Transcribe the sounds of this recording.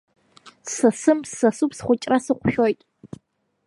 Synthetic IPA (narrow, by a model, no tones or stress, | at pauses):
sɐsɨmsːɐsupsχʷʊt͡ʃʼrasɨqʷʊʃᶣojtʼ